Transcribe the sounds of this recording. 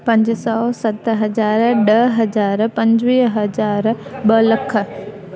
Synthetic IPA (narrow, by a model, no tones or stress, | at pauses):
pɐ̃ɲd͡ʑsɔːsɐt̪ɦɐzaːɾɗɐɦɐzaːɾpɐ̃ɲd͡ʑʋiːɦɦɐd͡ʑaːɾɓɐlɐkʰə̆